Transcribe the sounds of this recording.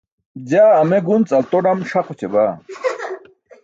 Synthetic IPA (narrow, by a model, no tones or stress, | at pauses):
d͡ʑaːmeɡunt͡sʼɐlt̪oɖɐmʂaqut͡ɕʰeba